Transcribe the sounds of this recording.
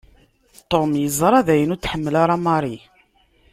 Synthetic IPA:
t̪ːomjəzˤɾˤɑðæjənʊɾt͡sːħəmːəlaɾˤɑmɑɾˤi

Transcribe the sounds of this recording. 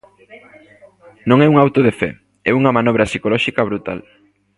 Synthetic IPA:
nõŋɛuŋawt̪oðefɛ̰ | ɛuŋɐmãnɔβɾɐsikolɔʃikɐβ̞ɾut̪a̰l

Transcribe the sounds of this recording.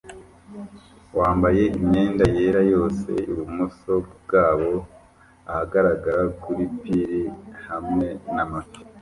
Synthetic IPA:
waːmbaje̞ʔimɲe̞ːndaje̞ːɾajo̞ːse̞̰iβumuso̞bɡaːβo̞ | ahaɡaɾaɡaɾakuɾipiɾihamŋe̞namavi̥

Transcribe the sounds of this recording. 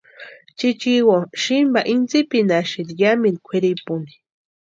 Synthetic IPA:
t͡ʃit͡ʃiwoʃimbaʔint͡sipinaʃid̪ijamind̪ikʷʰeɾipuni̥

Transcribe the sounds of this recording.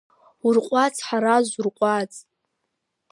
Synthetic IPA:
urqʷʼat͡sʰħaɾazʷurqʷʼat͡sʼ

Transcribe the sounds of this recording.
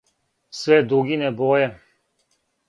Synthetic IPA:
sʋɛd̪ɾuɡinɛbɔːjɛ

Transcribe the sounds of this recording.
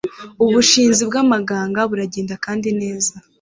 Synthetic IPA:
uβuʃiːnzibɡamaɡaːŋɡaβuɾaɟeːndakaːndine̞ːza

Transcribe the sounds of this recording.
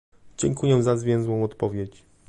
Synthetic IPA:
d͡ʑɛŋkujɛzazvʲjɛ̃w̃zwɔ̃w̃ɔt̪pɔvʲjet͡ɕ

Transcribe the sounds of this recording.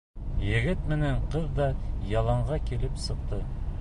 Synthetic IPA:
jɘ̆ɡɘt̪mɘ̆næɴqɤðd̪ɑjɑlˠɑɴʁɑkilɘpsɤ̆q̚t̪ɤ

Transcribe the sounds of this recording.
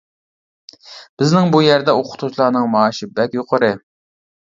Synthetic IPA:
b̥ɪznɪŋbujæɾd̪ɛoqʰʊ̥t̪ʰut͡ʃlˠɑːnɨŋmɑːʃɪbɛkʲjoqʰəɾɨ

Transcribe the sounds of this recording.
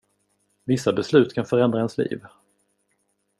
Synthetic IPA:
vɪsːabɛslʉ̟ːt̪kʰanfœɾɛnd̪ɾahɛnslḭːv

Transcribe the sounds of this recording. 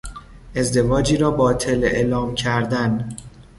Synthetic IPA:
ʔe̞zd̪e̞vɒːd͡ʒiːɾɒːbɒːt̪ʰe̞leʔelɒːmcʰæɾd̪æn

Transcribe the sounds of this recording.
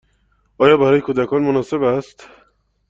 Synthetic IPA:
ʔɒːjɒːbæɾɒːjekʰoːd̪ækʰɒːnmonɒːse̞bæst̪

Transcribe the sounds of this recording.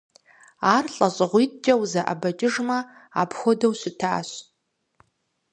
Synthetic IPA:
aːrɬʼɐɕʼɨʁʷit̚ʼd͡ʒʼɐwzɐʔa̰bɐt͡ʃʼɪʐmɐ | a̰ːpʰxʷodɐwɕɪtʰa̰ːɕ

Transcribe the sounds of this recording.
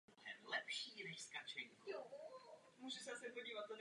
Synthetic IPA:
tʰɛnlɛpʃiɾɛʃskat͡ʃɪ̃ŋ | muːʒɛsɛasɪpoɟiːvat̪̚ːon

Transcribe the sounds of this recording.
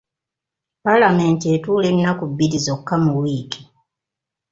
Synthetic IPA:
palame̞ːntie̞tuːle̞nːakubːiɾizo̞kːamuwiːki̥

